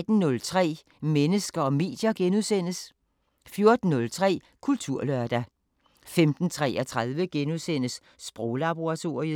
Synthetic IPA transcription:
d̥n̩ːɔ̽lt͡sʰʁɛ̰ː | menəsɡ̥ɐɒ̽me̝̰ːd̥jɐɡ̥enuðˠsen̰əs | fjo̝ɐd̥n̩ːɔ̽lt͡sʰʁɛ̰ː | kʰult͡sʰuɐ̰lœɐd̥æ | femd̥n̩t͡sʰʁɛ̰ːɐt͡sʰʁaðˠʋəɡ̥enuðˠsen̰əsː | b̥ʁɔʊlɑb̥o̝ʁɑ̈t͡sʰo̝̰ːi

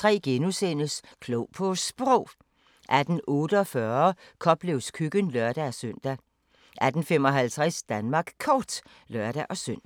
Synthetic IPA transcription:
t͡sʰʁɛ̰ːɡ̥enusen̰əskʰloʊpʰɔsb̥ʁɔʊ̰ | ʔæd̥n̩ɔ̽ːɾ̥əɒ̽fɶːɐkʰɒ̽b̥le̝ʊskʰyɡ̥ənlɶɐd̥æsøn̰d̥æ | ʔæd̥n̩femɒ̽ɦælt͡sʰʁasd̥ænmɑ̈ːɡ̥kʰɒːd̥ | lɶɐ̰ɾ̥æʔɒ̽søn̰

